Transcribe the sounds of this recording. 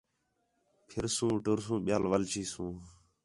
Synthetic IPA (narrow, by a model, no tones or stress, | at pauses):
pʰɪɾsũːʈʊɾsũːɓɪjaːlʋəlt͡ʃiːsũː